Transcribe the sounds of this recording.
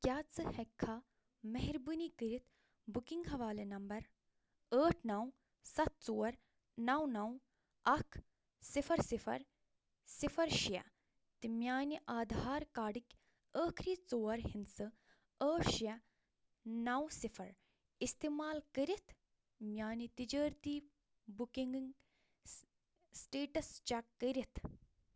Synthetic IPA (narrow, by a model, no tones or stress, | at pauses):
kjaːt͡sɨhɐkʰːa | mɐɦɾbɨnikəɾit̪ʰ | bukiŋɡɦɐʋaːlenɐmbɐɾ | əːʈʰnɐw | sɐt̪̚t͡soːɐɾ | nɐwnɐw | ɐkʰ | sifʰɐɾsifʰɐ̰ɾ | sifʰɐɾʃjɐ̰ | t̪imʲjaːniʔaːd̪ʱaːɾkaːɽikʲ | əːkʰɾiːt͡soːɐɾɦinsɨ | əːʃjɐ | nɐwsifʰɐɾ | ist̪eːmaːlkəɾit̪ʰ | mʲjaːnit̪id͡ʒɐːɾt̪iː | bukiŋɡiŋɡ | sʈeːʈɐst͡ʃakəɾit̪ʰ